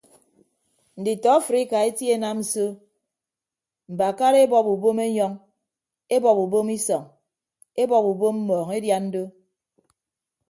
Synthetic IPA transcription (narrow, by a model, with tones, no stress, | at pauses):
n̩˨di˨tɔ˨˦fɾi˦ka˨e˦tje˦na˦mn̩˨so˦ | m̩˨ba˨ka˦ɾe˦bɔ˨pu˨bo˦me˦ɲɔ˦ŋ | e˦bɔ˨pu˨bo˦mi˦sɔ˨ŋ | e˦bɔ˨pu˨bo˦m̩˦mɔː˨ŋe˦dja˦n̩˦do˦